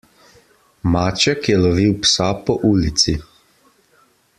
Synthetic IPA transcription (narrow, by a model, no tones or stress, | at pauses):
maːt͡ʃɛkjɛlɔʋiwpsapɔʔuːlit̪si